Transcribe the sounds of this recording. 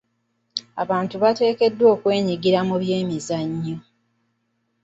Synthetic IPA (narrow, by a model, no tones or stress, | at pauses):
a̰βaːntuβate̞ːke̞dːwo̞ːkwe̞ːɲiɡiɾamuβje̞ːmizaɲːo